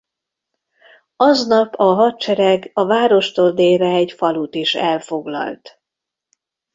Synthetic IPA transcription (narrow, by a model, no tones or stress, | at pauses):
ɒznɒpʰɒɦɒt̪t͡ʃɛɾɛɡɒvaːɾo̞ʃt̪oːld̪eːrɛɛɟfɒlut̪iʃɛlfo̞ɡlɒ̰lt̪